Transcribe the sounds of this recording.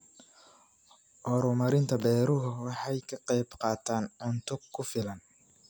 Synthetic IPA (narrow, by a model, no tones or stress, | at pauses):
ʔɔɾʊmɐɾɪnt̪ʰɐbɛːɾʊɦʊwɑħɑjkʰɐqɛjbqɑːt̪ʰaːnʕʊnt̪ʰɔkʰʊfɪlɐn